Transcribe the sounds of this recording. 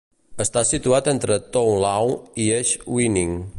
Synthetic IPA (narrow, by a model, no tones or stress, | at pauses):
əst̪asit̪uat̪ent̪ɾət̪owlawieʃwiniŋ